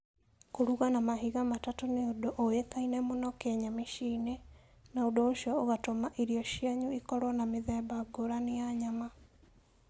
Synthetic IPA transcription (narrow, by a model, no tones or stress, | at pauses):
koɾuɣanamaɦiɣamatatoneodoʔojekainɛmonɔkɛɲameʃiːne | naodooʃjɔoɣatomaʔiɾiɔʃiaɲuikɔɾwɔnameðɛbaɡoɾaneaɲama